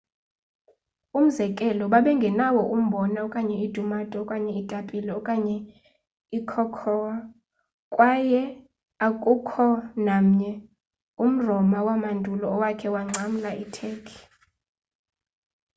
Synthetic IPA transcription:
um̩zɛkʼɛlɔɓaɓɛŋɡʱɛnawɔʔum̩ɓɔnaɔkʼaɲɛid̥ʱumatʼɔːkʼaɲɛitʼapʼilɛɔkʼaɲɛ | ikʰɔkʰɔwa | kʼwajɛ | akʼukʰɔnam̩ɲɛ | um̩rɔmawamandʱulɔːwakʰɛwaŋ͡ǀʱam̩laʔitʰɛːkʰi̥

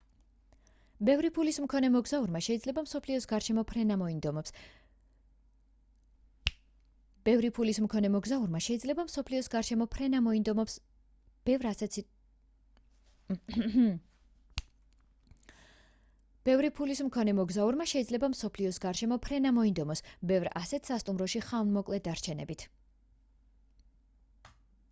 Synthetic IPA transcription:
bɛvɾipʰulismkʰɔnɛmɔɡzauɾmaʃɛid̪zlɛbamsɔpʰliɔsɡaɾʃɛmɔpʰɾɛnamɔind̪ɔmɔps | b̥ɛvɾipʰulismkʰɔnɛmɔɡzauɾmaʃɛid̪zlɛbamsɔpʰliɔsɡaɾʃɛmɔpʰɾɛnamɔind̪ɔmɔps | b̥ɛvɾasɛt̪ʰ | b̥ɛvɾipʰulismkʰɔnɛmɔɡzauɾmaʃɛid̪zlɛbamsɔpʰliɔsɡaɾʃɛmɔpʰɾɛnamɔind̪ɔmɔsbɛvɾa̰sɛt̪ʰsast̪ʼumɾɔʃiχavnmɔkʼlɛd̪aɾt͡ʃʰɛnɛ̰bit̪ʰ

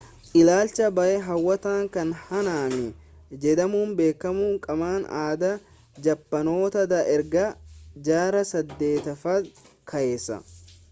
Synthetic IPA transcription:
ʔɪlaːlt͡ʃɐbɐʔɛɦɐwːɐt̪aːŋkɐnhɐnaːmɪ | d͡ʒɛd̪ɐmuːmbe̞ːkːɐmuːŋkʼɐmaːna̰ːd̪ɐ | d͡ʒɐpːɐno̞ːt̪ɐd̪ɐʔɛɾɡɐd͡ʒaːɾɐsɐd̪ːe̞ːt̪ɐfɐd̪ | kʰɐʔeːsːɐ̰

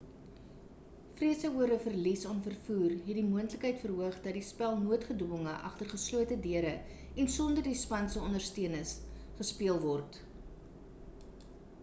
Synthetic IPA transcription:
friəsəɦuəɾəfərlisɑnfərfuːrɦɛtdimuəntləkɦəjtfərɦuəχdɐt̚dispælˠnuətχədɔŋəʔɐ̰χtərχəsluətədiəɾə | ɛnsɔndərdispɐnsəɔndərstiənəsχəspiəlˠvɔrt

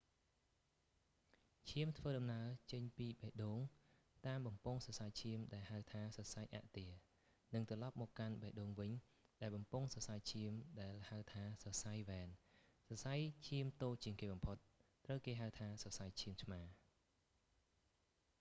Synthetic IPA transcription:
t͡ɕʰiəmt̪ʰʋəːɗɑmnaət͡ɕəɲpiːɓaɛʔɗoːŋ | t̪aːmɓɑmpʊŋsɑsajt͡ɕʰiəmɗaɛlhaəwt̪ʰaːsɑsajʔa̰ʔt̪iə | nɨŋt̪rɑlɑp̚mɔːkːanɓaɛʔɗoːŋʋɨɲ | ɗaɛlɓɑmpʊŋsɑsajt͡ɕʰiəmɗaɛlhaəwt̪ʰaːsɑsajʋɛːnsɑsajt͡ɕʰiəmt̪oːt͡ɕiəŋkeːɓɑmpʰot̪̚ː | rəwkeːɦaəwt̪ʰaːsɑsajt͡ɕʰiəmsʰmaː

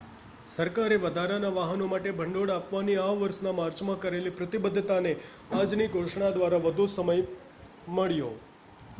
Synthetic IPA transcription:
səɾkaɾeʋəd̪ʱaɾanaʋaɦənomaʈebʱəɳɖoɽapʋaniaʋʋəɾsnamaɾt͡ʃmãkəɾelipɾət̪ibəd̪ʱːt̪ane | ad͡ʒniɡʱoʃɳad̪ʋaɾaʋəd̪ʱusəməj | məɭjo

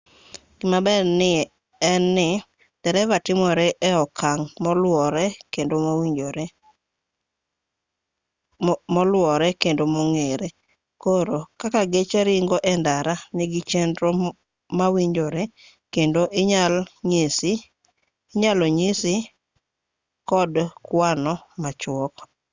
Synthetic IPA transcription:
ɡ̥ɪmabɛɪ | ɛnːɪ | t̪ɛɾɛvatɪmɔɾɛʔɛɔkʰaŋmɔlwɔɾɛkendowio | mɔlwɔɾɛkendomɔŋeɾe | koɾokakaɡet͡ʃɛɾɪŋɡɔʔɛndaɾaniɡɪt͡ʃendɾo | mawiɲd͡ʒoɾe | kendoʔɲ | s | ɲaloɲisi | kɔdkwanɔmat͡ʃwɔk

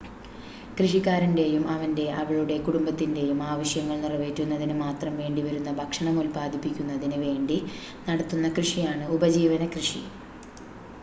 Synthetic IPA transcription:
krɨʂikːaːɾɐnde̞jumɐʋɐnde̞ʔɐʋɐɭuɽe̞kuɽumbɐt̪ːinde̞jumaːʋɐɕjɐŋːɐɭnirɐʋeːtːunːɐðinɨmaːt̪rɐmʋe̞ːɳɖiʋɐɾunːɐbʱɐkʂɐɳɐŋolpaːd̪ʱipːikʲːunːɐðinɨʋe̞ːɳɖi | nɐɽɐt̪ːunːɐkrɨʂijaːɳɨubɐd͡ʑiːʋɐnɐkrɨʂi

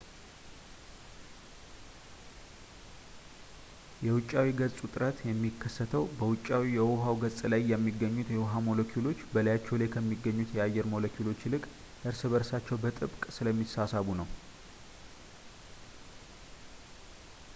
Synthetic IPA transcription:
jɛwʊt͡ʃʼːawiɡət͡sʼut̪ʼɨɾət̪jɛmːikʰːəsːət̪ʰəwbəwʊt͡ʃʼːawijɛwʊɦawɡət͡sʼlajːɛmːiɡːəɲːut̪jɛwɦamolokʰjulo̞t͡ʃːbələjat͡ʃːɛwlekʰəmːiɡːəɲːut̪ʰjɛajːɛɾmolokʰjulo̞t͡ʃːlɨkʼ | ʔɨɾsɨβəɾsat͡ʃːɛwbət̪ʼɨbkʼsɨləmːisasaβunəw

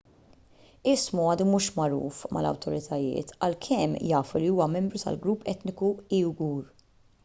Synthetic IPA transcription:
ɪsmɔɐːd̪umuːʃmɐɾṵːfmʔɐ̰lɐ̰wt̪ɔɾɪt̪ʰɐjɪ̰ːt̪ɐlkʰɛmːjɐːfuliuːwɐmɛmbɾut̪ɐ̰lɡɾupːɛt̪nɪkuiːwɡuːɾ

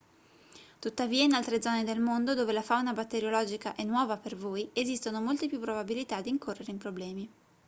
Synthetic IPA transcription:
t̪ut̪ːaviːainalt̪ɾed̪zɔːned̪elmond̪od̪oːvelafawnabat̪ːeɾjolɔːd͡ʒikaʔenːwɔːvapervoːjezist̪onomolt̪epjupːɾobabilit̪ad̪ːiŋkorːeɾeimpɾoblɛːmi

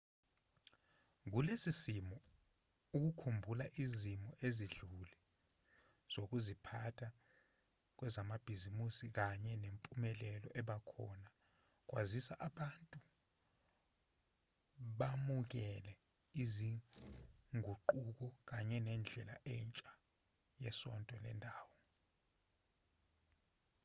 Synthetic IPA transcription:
ŋ̬ulesisimɔ | uk̬ukʰumbʱulaʔizimɔʔeziɮulɛ | z̥ok̬uzipʰatʰa | k̬wɛzamab̥ʱizimusik̬aɲɛnempʼumɛlɛlɔʔɛɓakʰɔ̰na | k̬ʼwa̰zisaʔaɓantʼu | ɓamuk̬ɛlɛ | izi | ŋʱuǃuk̬ɔk̬aɲɛnɛnd͡ɮʱɛlaʔɛnt͡ʃʼa | jɛsɔ̰ntʼɔlɛ̰ndʱaːwɔ

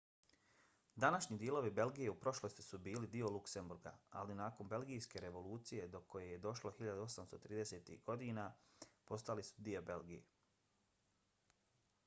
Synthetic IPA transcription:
d̪anaʃɲiːd̪jelo̞ʋibe̞lɡije̞upɾo̞ʃlost̪i̥subiːlid̪io̞lˠukse̞mbuɾɡa̰a̰linaːko̞mbe̞lɡijske̞ɾe̞ʋo̞lˠuːt̪sije̞d̪o̞ko̞je̞je̞d̪o̞ʃlo̞xiʎad̪uo̞samst̪o̞t̪ɾiːd̪ese̞ːt̪ḭhɡo̞d̪iːnapo̞st̪alisu̥d̪iobe̞lɡijḛ

